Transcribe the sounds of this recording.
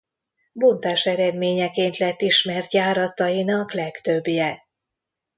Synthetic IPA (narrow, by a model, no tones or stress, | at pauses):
bont̪aːʃɛɾɛd̪meːɲɛkeːnt̪lɛt̪ːiʃmɛrt̪jaːɾɒt̪ɒjinɒklɛkt̪øbːjɛ